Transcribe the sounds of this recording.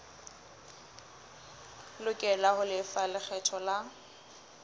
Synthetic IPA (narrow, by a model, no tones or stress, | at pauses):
lʊkʼɛlaχʊlɪfalɪk͡xʰɛtʰɔla